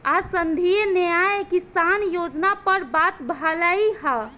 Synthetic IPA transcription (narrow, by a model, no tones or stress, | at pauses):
asənd̪ʱienəjajkisanjod͡ʒnapəɾbat̪bʱələiɦa